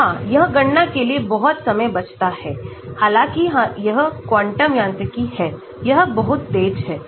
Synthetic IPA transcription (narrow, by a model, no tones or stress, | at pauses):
ɦãːjɐɦɡɐɳːakeliebɐɦʊt̪sɐməjbɐt͡ʃʰt̪ahɛː | haːlãːkiɦãjɐɦkwãːɳʈəmjãːnt̪əkiɦɛː | jɐɦbɐɦʊt̪̚ːeːd͡ʒɦɛː